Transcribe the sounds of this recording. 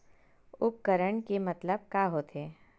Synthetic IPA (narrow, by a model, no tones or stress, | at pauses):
ʊp̚kəɾəɳ̃kemɐt̪ləb̚kaːɦoːt̪eː